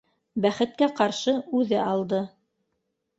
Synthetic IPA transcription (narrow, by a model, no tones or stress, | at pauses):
bæχɘ̆t̪̚kæqɑɾʃɤʉðɘɑlˠd̪ɤ